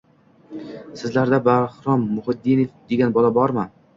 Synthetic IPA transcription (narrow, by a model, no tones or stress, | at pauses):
sɪzlaɾd̪abahɾɒmːʊhɪd̪ːinfd̪e̞ɡʲanbɒlabɒɾman